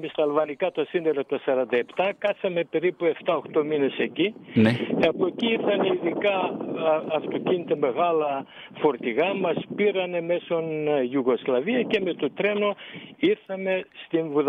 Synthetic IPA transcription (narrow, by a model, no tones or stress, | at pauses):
mest̪ɐːlvɐnikɐt̪osineɾɐt̪uɐsɐɾɐnd̪ɐe̞pt̪ɐkɐsɐme̞pe̞ɾipue̞ft̪ɐo̞xt̪o̞mine̞se̞cinɐpueciiɾθɐneiðikɐː | ft̪o̞cinit̪e̞me̞ɣɐlɐ | fo̞ɾt̪iɣɐmɐspiɾɐne̞me̞sonʝuɣo̞zlɐviɐce̞me̞t̪o̞t̪ɾe̞no̞iɾθɐme̞st̪invuð